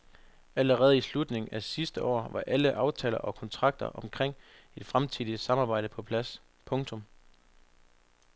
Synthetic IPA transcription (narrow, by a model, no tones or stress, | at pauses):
æləʁɛːð̞̩ˠislud̥ne̝ŋ̩æsisd̥əʔɒ̰ːʋɑ̈ʔæləʔɑ̈ʊt͡sʰɛ̰ːlɐ̰ʔɒ̽kʰɒ̽nt͡sʰʁɑ̈ɡ̥̚d̥ɐ̰ʔɒ̽mkʰʁeŋ̰ | e̝d̥fʁamt͡sʰiðˠi̥sɑ̈mɑ̈ːbɑ̈ɪɾ̥əpʰɒ̽pʰlæs | pʰɔ̽ŋt͡sʰɔ̽m